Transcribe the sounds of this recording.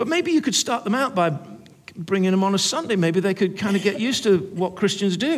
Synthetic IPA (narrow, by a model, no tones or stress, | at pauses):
b̥ʌt̚meɪbijɨkɨd̥stɑɹt̪̚ðə̃maʊt̚b̥aɪ | bɹɪ̃ŋɪ̃ŋðə̃mə̃nəsʌ̃ndeɪmeɪbiðeɪkɨd̚kʰãɪ̃ndɨɡɛʔjʉstʰɨwʌt̚kʰɹ̥ɪst͡ʃɨ̃nzdɨ